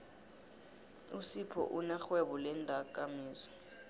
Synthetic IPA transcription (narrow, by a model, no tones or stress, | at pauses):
usipʰɔ̰ʔunaxwɛβɔlɛndʱak̬ʼamiːz